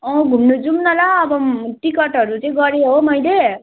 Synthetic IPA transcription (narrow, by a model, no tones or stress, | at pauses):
ʌ̃ɡʱumnud͡zumnʌlaʌbʌʈikʌʈɦʌɾut͡sʌĩɡʌɾeɦomʌjle